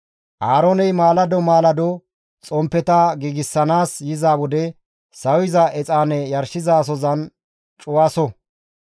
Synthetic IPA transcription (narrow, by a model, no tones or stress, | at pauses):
ʔaːɾɔnɛjmaːlɐd̪ɔmaːlɐd̪ɔ | t͡sʼɔmpːɛt̪ɐɡiːɡɪsːɐnaːsjɪzaːwɔd̪ɛ | sɐwɪzɐʔɛt͡sʼaːnɛjɐɾʃɪzas̬ɔzɐn | t͡ʃʼʊwasɔ